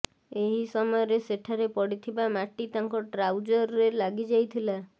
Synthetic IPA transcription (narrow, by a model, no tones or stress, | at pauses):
eɦisɔmɔɔɾeseʈʰaɾepɔɽit̪ʰibamaʈit̪ãŋkɔʈɾawd͡ʒɔɾelaɡid͡ʒajt̪ʰila